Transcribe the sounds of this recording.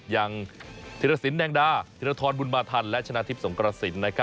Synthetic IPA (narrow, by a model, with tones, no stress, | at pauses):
ja˧ŋt̪ʰiː˧˩ɾa˧si˨˩˦nːɛː˧ŋdaː˧˩t̪ʰiː˧ɾa˧t̪ʰɔː˧nbu˧nmaː˧t̪ʰa˧nlɛ˦˥ʔt͡ɕʰa˧naː˧t̪ʰi˦˥p̚so˩˦ŋkɾa˧si˩˦nːa˦˥kʰa˦˥